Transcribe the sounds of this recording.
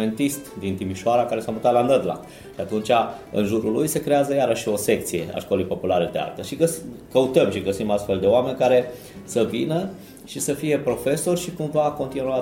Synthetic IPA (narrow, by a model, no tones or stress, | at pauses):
e̞nt̪ist̪d̪int̪imiʃoaɾakaɾe̞samut̪at̪lanəd̪la̰k | d̪eat̪unt͡ʃaɨ̰nʒuɾulujse̞kɾe̞azəjaɾəʃːio̞se̞k̚t̪sije̞̰a̰ʃko̞lejpo̞pulaɾe̞d̪ea̰lt̪əʃiɡəsikəut̪əmʃiɡəsimast̪fe̞ld̪e̞oame̞nʲkaɾe̞ | səvinə | ʃisəfije̞pɾo̞fe̞so̞rʲʃikumvako̞nt̪inua